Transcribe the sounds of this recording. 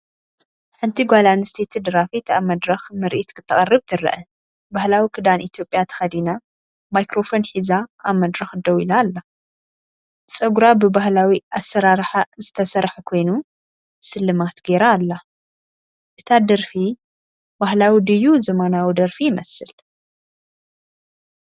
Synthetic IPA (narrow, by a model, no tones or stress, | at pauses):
ħɨnt̪ʰiɡʷalanɨst̪ʰet̪ʰɨd̪ɨɾafit̪ʰamɐd̪ɾɐxmɨɾʔit̪kʰɨt̪ʰːɐχʼɐrːɨbt̪ʰɨɾɐ̰ʔɐ | bahlawikʰɨd̪anʔit̪ʰjo̞pʼːjat̪ʰɐ̥xɐd̪ina | majkɾo̞fo̞nħizaaβmɐd̪ɾɐxd̪ɐwilaːlːa | t͡sʼɐɡuɾabɨbahlawiʔasːɐɾaɾħazɨt̪ʰɐsɐɾħkʰo̞jnu | sɨlːɨmat̪ɡe̞ɾaːlːa | ʔɨt̪ʰad̪ɐɾfi | bahlawid̪ɨjuzɐmanawid̪ɐɾfijɪmɐsɨl